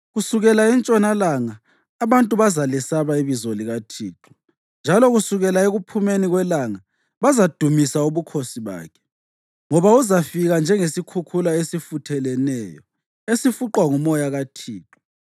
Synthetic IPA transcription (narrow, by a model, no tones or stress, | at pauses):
ɣusuɣɛlaint͡ʃʼɔnalaŋaː | βantʼuβazalɛsaβaiβizoliɣatʰḭːǁɔ̥ | nd͡ʒʱalɔɣusuɣɛlaeɣupʰumeniɣwɛlaŋa | βazad̥ʱumisauβukʰosiβa̰ːkʰɛ̥ | ŋɔβauzafiɣand͡ʒʱɛŋesikʰukʰulaesifutʰɛlɛnɛjɔ̰ | esifuǃwaŋumɔjaɣatʰiːǁɔ